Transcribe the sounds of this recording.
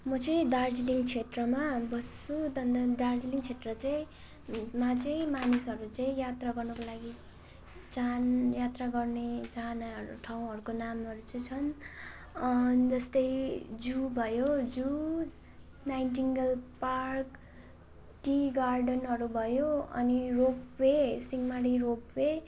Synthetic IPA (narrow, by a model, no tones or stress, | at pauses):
mʌt͡sʌj̃d̪ard͡ziliŋɡt͡sʰet̪rʌmabʌsud̪ʌnd̪ʌd̪ard͡ziliŋt͡sʰet̪rʌt͡saj̃ | mat͡saĩmanisʌɾut͡saĩjat̪raɡʌrnʌkolaɡi | t͡sanjat̪raɡʌrnet͡sanaɦʌɾṵʈʰaw̃ɦʌɾukonamʌɾut͡sʌjt͡sʰʌn | nd͡zʌst̪ʌjd͡zubʱʌjod͡zu | najnd͡ziŋɡʌlpark | ʈiɡarɖʌnɦʌɾubʱʌjoʌ̰niropwesiŋɡmaɽiropwe